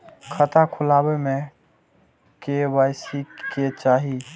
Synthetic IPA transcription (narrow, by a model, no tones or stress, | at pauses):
kʰət̪akʰʊlabeme | kebajsiket͡ʃaːɦi